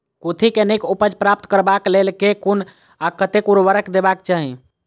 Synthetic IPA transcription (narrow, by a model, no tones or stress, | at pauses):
kut̪ʰikenekupəd͡ʒpɾap̚t̪kəɾbaklelkekun | akət̪ekuɾʋəɾəkd̪ebakt͡ʃaɦĩ